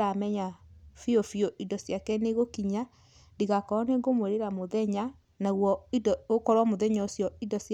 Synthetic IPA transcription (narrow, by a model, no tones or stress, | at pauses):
amɛɲafiofjoʔidɔsjakɛneɣokiɲa | ndiɣakɔɔneŋɡomweɾeɾamoðɛɲa | naɣwɔidɔokɔɾwamoðɛɲaosjɔidɔs